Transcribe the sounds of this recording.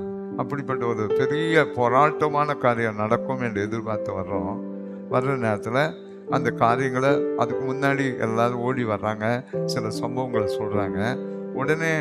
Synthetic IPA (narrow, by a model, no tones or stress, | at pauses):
ɐpːɐɽɪpːɐʈːɐɔɾɯpɛɾɪjɐpɔɾaːʈːɐmaːnɐkaːɾɪjɐmnɐɽɐkːɯmɛndrɯɛðɯɾpaːɾt̪ɯʋɐɾɾõː | ʋɐɾɾɐneːɾɐt̪ːɪlɐ | ɐnd̪ɐkaːɾɪjɐŋɡɐɭɐðɯkːɯmʊnːaːɽiɛ̰lːaːðɯ̃oːɽiʋɐɾːaːŋɡɐsɪlɐsɐmbɐʋɐŋɡɐɭsɔlːɾaːŋɡɐɔɽɐneː